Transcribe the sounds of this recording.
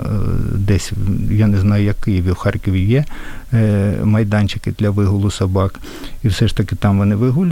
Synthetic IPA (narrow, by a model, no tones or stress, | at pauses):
d̪ɛsʲjanɛznɑjʊjɐkɪjɪʋʲiwxɑrkɔʋʲijɛ | mɐjd̪ɑnʲt͡ʃɪkɪd̪lʲɐʋɪɦʊlˠʊsɐbɑk | iwsɛʂt̪ɐkɪt̪ɑmʋɔnɪʋɪɦʊlʲ